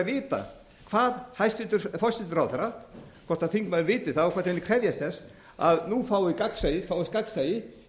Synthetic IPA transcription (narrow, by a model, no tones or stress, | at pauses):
vɪːt̪a̰ | kʰv̥aːðhajst̪ɪt̪ʏɾfɔst̪ɪt̪ʏɾawθɛɾa | kʰvɔrt̪aθiŋkmaðɾvɪːt̪ɪ̥θawɔkʰvɛ̥ɾt̪nmɪnɪkʰɾɛvjast̪θɛs | aðnufaːwɪkaksaːjɪfawɪst̪kaksajɪ